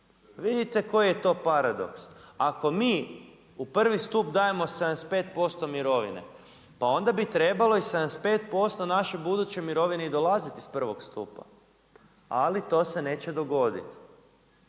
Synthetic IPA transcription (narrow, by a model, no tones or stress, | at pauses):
ʋid̪it̪e̞ko̞jijet̪o̞ːpaɾad̪o̞̰ksako̞miː | upr̩ʋist̪upd̪ajemo̞sed̪anespe̞ːt̪̚po̞st̪o̞miɾo̞ʋḭne̞̰ | pao̞nd̪abit̪ɾe̞balo̞ised̪anespe̞ːt̪̚po̞st̪o̞naʃebud̪ut͡ɕemiɾo̞ʋineid̪o̞lazit̪ispr̩ʋo̞kst̪ṵːpa̰ | alit̪o̞se̞ne̞ːt͡ɕe̞d̪o̞ɡo̞d̪ḭt̪